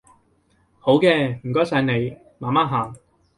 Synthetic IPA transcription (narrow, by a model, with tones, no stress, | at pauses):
ho˨˥wkɛː˧m̩˨˩kɔː˨˥sa˨˧˥jne˨˧j | maː˨maː˥ɦaː˨˩ŋ